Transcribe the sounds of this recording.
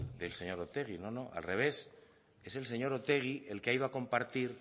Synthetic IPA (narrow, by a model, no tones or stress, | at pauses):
d̪e̞lse̞ɲo̞ɾot̪e̞ɣ̞ino̞no̞ʔa̰lre̞β̞e̞s | e̞se̞ls̬e̞ɲo̞ɾo̞t̪e̞ɣ̞iʔe̞lkeaiðoako̞mpaɾt̪iɾ